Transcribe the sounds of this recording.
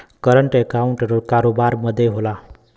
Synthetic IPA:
kʌɾəɳʈekawɳʈʌɾokaɾobaɾmʌd̪ʱːjeɦola

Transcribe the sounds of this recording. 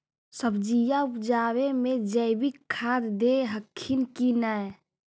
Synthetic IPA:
səbd͡ʒijaupd͡ʒaːwemẽd͡ʒəɪbikʰːaːd̪d̪eɦəkʰːinkinaj

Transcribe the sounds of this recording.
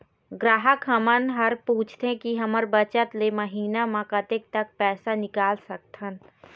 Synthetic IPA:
ɡɾaːɦəkɦəmənɦəɾpuːt͡ʃʰt̪ɦẽkiɦɐməɾbət͡ʃət̪leməɦiːnamãkɐt̪ek̚t̪ɐk̚pɛːsanɪkaːlsɐk̚t̪ɦən

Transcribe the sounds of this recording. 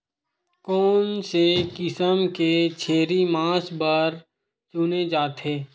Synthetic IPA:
kɔːnsekɪsəmket͡ʃʰeːɾimãːsbəɾ | t͡ʃuːned͡ʒaːt̪ɦeː

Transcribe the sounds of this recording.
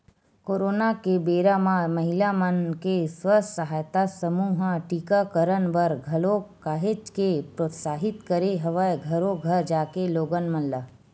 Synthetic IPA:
koːɾoːnakebeːɾamãməɦilamənkesʋəsəɦaːjt̪asəmuːɦãʈikakəɾənʋəɾɡʱɐlokaːɦed͡ʒkepɾoːt̪saːɦɪt̪kəɾeɦəʋəjɡʱəɾoɡʱəɾd͡ʒaːkeloːɡənmənla

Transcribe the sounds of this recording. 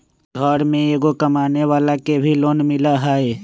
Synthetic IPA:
ɡʱɔːɾmẽeːɡokəmaːneʋaːlakebʱiloːnmɪlaɦaːe

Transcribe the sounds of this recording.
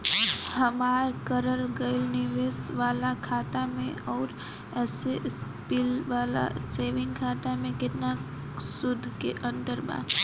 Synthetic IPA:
hɐmaːɾkəɾəlɡəɪlnɪʋeːsʋaːlakʰaːt̪amẽɔːɾ | ɛses | pɪlʋaːla̰seːʋɪ̃ŋɡkʰaːt̪amẽkɪt̪na | sʊd̪ʱːkeʔə̃nt̪əɾba̰ːt̪

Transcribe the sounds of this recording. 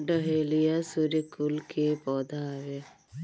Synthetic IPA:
ɖəɦelijasuɾikulkʰepɔd̪aːʋe

